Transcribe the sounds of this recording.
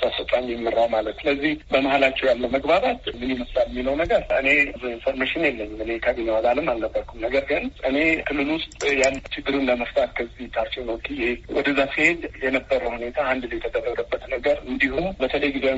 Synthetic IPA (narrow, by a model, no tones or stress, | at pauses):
sʼəsət̪ʼaɲjɛmːɨɾːawmalət̪sɨləzːihbəmahalat͡ʃːɛwjalːəwməɡbaβat̪mɨniməst̪ʼalmːinəwnəɡəɾʔɨne̞zuinfoɾmeʃɪnjɛlːəmɨne̞kʰaβinewalalɨmalnəbːəɾkʰumnəɡəɾɡɨnʔɨne̞kʰɨlːɨlwʊst̪ʼjalːt͡ʃɪɡːɨɾunləməft̪ʼalkʰəzːiht̪ʰaɾt̪iwnəwɡijewɔ̰d̪əzːasihe̞d̪jɛnəbːəɾəhune̞t̪ʰaand̪lojt̪ʰəd̪ərːəd̪əbːət̪nəɡəɾɨnd̪ihubət̪ʰələjɡizew